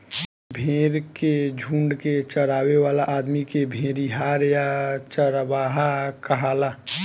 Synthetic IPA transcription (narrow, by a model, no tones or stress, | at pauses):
bʱeːɾked͡ʒʱũːɳɖket͡ʃəɾaːweʋaːlaʔaːd̪mikebʱẽːɾiɦaːɾjat͡ʃəɾʋaːɦakəɦaːla